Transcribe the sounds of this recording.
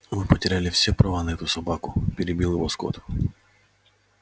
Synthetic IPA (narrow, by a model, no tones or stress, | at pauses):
mɨpətʲɪɾʲælʲɪfsʲɛpɾɐvanɐɛt̪ʊsɐbakʊpʲɪɾʲɪbʲilˠjɪʋɔsko̰t̪